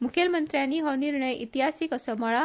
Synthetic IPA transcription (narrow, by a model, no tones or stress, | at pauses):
mukʰjəlmənt̪ɾjaniɦəniɾɳəjʔit̪iɦasikəsəməɭa